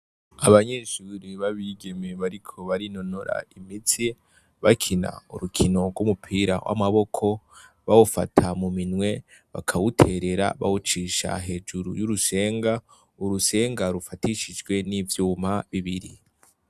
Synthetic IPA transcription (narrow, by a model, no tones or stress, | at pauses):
aβaɲeʃuːɾiβaβiɡe̞me̞βaɾikʰo̞βaɾinonoɾa̰imit͡si | βakʰina̰uɾukʰino̞ɡɡwumupʰiːɾa̰wʔa̰maβo̞kʰo̞ | βawufa̰tʰamuminwe̞ | βa̰kʰawutʰe̞ɾe̞ɾa̰βa̰wut͡ʃiʃa̰ɦe̞ːd͡ʒuɾṵjuɾuse̞ːŋɡa | uɾuse̞ːŋɡaɾufatiʃid͡ʒɡwe̞nivjuːmaβiβiɾi